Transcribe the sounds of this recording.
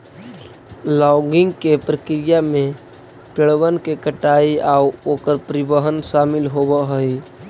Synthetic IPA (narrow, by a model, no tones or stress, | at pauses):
lɔɡɪŋɡkepɾəkɾijame | peɭwənkekəʈaiauokəɾpɾibəɦənsamilɦobəɦəj